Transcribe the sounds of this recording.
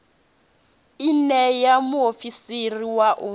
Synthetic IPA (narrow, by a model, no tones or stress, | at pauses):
inɛjamuofisiriwaʔo